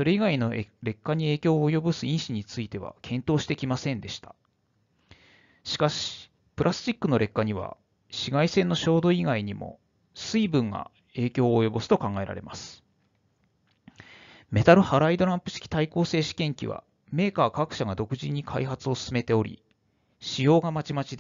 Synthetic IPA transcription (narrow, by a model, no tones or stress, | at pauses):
so̞ɾe̞iɡaino̞ɾe̞kːaɲ̟ie̞ːkʲo̞ːjo̞bɯ̟sɨĩɰ̃ɕiɲ̟it͡sɨit̪e̞βa̰kʰẽ̞nt̪o̞ːɕi̥t̪e̞kʲimasẽ̞nd̪e̞ɕi̥t̪ḁ | ɕi̥kaɕii̥ | pɯ̟ɾʔasɨ̥t͡ɕikːɯno̞ɾe̞kːaɲ̟iβ̞a̰ | ɕiɡaisẽ̞nːo̞ɕo̞ːd̪o̞iɡaiɲ̟imo̞̰ | sɨibɯ̟̃ŋɡa̰ | e̞ːkʲo̞ːjo̞bɯ̟sɨ̥t̪o̞kãŋɡae̞ɾa̰ɾe̞masɨ̥ | me̞t̪aɾɯ̟haɾaid̪o̞ɾãmpɯ̟ɕi̥kʲi̥t̪aiko̞ːse̞ːɕi̥kẽ̞ŋkʲḭβa̰ | me̞ːkaːkakɯ̟ɕaɡad̪o̞kɯ̟ʑiɲ̟ːikʰaiɦat͡sɨo̞sɨ̥sɨme̞t̪e̞o̞ɾʲḭ | ɕijo̞ːɡamat͡ɕimat͡ɕid̪